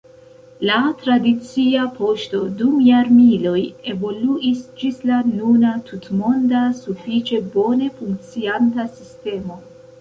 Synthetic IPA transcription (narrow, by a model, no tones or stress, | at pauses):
latɾadit͡siapʰo̞ʃto̞dumjaɾmilo̞je̞vo̞luʔisd͡ʒislanunatʰutmo̞ndasufit͡ʃe̞bo̞ne̞fuŋkt͡siantasiste̞mo̞